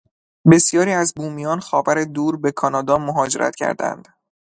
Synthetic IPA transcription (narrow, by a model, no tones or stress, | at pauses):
be̞sjɒːɾiːæzbuːmijɒːnxɒːvæɾe̞d̪uːɾbe̞kʰɒnɒːd̪ɒːmoɦɒːd͡ʒe̞ɾʔæ̰t̪cʲʰæ̰ɾd̪æ̰nd̪̥